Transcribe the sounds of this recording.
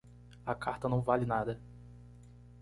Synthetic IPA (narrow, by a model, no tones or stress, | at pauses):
akʰaɾt̪ɐnɐ̃w̃valɪnad̪ɐ